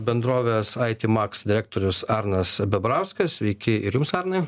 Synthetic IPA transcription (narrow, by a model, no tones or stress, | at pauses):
bʲɛnd̪ɾoːʋʲeːsɑɪt̪ʲɪːmɑksd̪ʲɪɾʲæk̚t̪oːɾʲʊsɑɾnɐsbʲɛbɾɑʊskɐssʲʋʲɛɪkʲɪɪɾjʊmsɑɾnɐɪ